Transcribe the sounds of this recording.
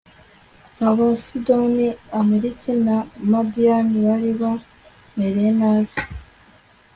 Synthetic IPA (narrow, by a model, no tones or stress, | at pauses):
aβasidoniameɾikʰinamad̪ianiβaɾiβo | meɾenaβe